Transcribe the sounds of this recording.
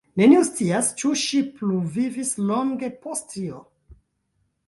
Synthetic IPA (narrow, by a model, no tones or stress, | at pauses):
ne̞niust͡siast͡ʃuʃipluvivislo̞ŋɡe̞postːio